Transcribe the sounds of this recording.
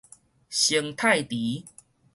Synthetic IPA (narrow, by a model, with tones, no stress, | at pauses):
ɕə˧˩ŋt̪ʰa˥˧jt̪i˨˦